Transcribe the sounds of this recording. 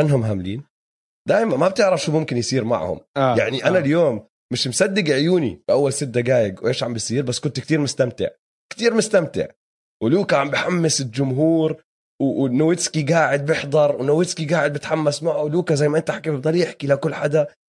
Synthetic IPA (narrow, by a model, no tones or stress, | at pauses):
anːɦʊmɦamlḭːn | d̪̥aːjmanmab̚t̪ɪʕɾafʃuːmʊmkɪnjsiːɾma̰ʕhʊ̰mjaʕniʔanaljoːmː | ɪʃmsad̪ːɪɡʕjuːnḭbʔawːalsɪt̪̚d̪ːaɡaːjɪɡwʔeːʃʕambɪsˤiːɾbasːkʊnt̪k̚t̪iːɾmʊst̪amt̪ɪ̰ʕ | kt̪iːɾmʊst̪amt̪ɪ̰ʕ | wluːkaʕambjħamːɪsɪld͡ʒʊmɦuːɾ | wwnʊwɪt̪skiɡaːʕɪd̪̚bɪħd̪ˤɑɾˤwɪnawɪtskiɡaːʕɪd̪̚bɪt̪ħamːasmaʕuluːkazajːmaʔɪnt̪aħakibt̪ˤɑlːiʔɪħkiʔlakʊlːħad̪a